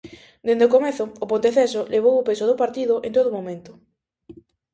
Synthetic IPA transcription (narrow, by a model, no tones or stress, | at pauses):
d̪end̪eokomeθʊːpont̪eθes̬oleβ̞owopesoð̞opaɾt̪iðʊʔent̪oðomomẽnt̪ʊ̥